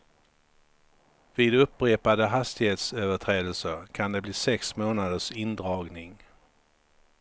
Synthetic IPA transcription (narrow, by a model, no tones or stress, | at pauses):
viːd̪ɵpːɾeːpad̪əɦast̪ɪɡheːt̪søːvəʈʰɾeːd̪əlsəɾkʰand̪ɛbliːsɛksmoːnad̪əʂɪnd̪ɾɑːɡnɪŋ